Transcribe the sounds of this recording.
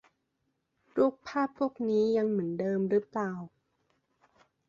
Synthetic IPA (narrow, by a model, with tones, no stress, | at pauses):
ɾu˥˩ək̚pʰaː˥˩pʰːu˥˩ək̚niː˦˥ja˧ŋmɯ˩˦əndɤː˧mɾɯ˦˥plaː˧w